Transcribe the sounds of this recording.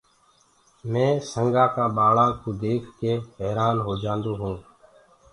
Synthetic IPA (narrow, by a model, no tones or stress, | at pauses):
mẽːsəŋɡaːkãːɓaːɭãːkoːd̪eːkʰkeːɦɛːɾaːnɦoːd͡ʒãːnd̪oːɦũː